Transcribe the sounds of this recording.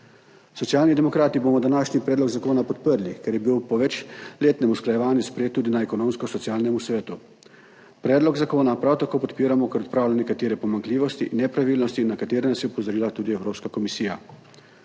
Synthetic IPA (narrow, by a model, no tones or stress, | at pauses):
sɔt̪sjaːlnid̪ɛmɔkɾaːt̪ibomɔd̪anaːʃnipɾɛːd̪lɔɡzakoːnapɔt̪̚pəɾlikɛɾjɛbiwpɔʋɛt͡ʃleːt̪nɛmusklajɛʋaːnjuspɾejeːt̪ːuːd̪inaɛkɔnomskɔsɔtsjaːlnɛmusʋɛːt̪u | pɾɛːd̪lɔɡzakoːnapɾawt̪akoːpɔt̪piːɾamɔkɛɾɔt̪̚pɾaːwlanɛkat̪eːɾɛpɔmaŋkliːʋɔst̪iʔinːɛpɾaʋiːlnɔst̪inakat̪eːɾɛnasiɔpɔzɔɾiːlat̪uːd̪iɛwɾoːpskakɔmisiːja̰